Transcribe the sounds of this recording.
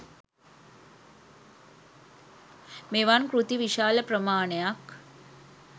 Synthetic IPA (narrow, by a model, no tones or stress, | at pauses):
meʋankɾut̪iʋiʃaːləpɾəmaːɳejak